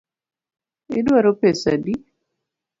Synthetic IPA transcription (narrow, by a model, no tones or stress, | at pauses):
ɪdwaɾopesa̰di